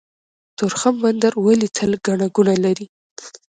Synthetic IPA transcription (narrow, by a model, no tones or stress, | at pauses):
t̪ʊɾxamband̪aɾwəlit̪ʰəlɡaɳaɡunalaɾi